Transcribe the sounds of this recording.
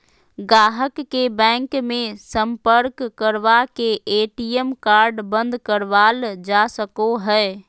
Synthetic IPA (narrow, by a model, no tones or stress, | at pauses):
ɡaːɦəkːebɛ̃ːŋkmẽsəmpəɾkːəɾʋakeʔeːʈijəmkaːɾɖbə̃nd̪ʱkəɾʋaːld͡ʒasəkoɦɛː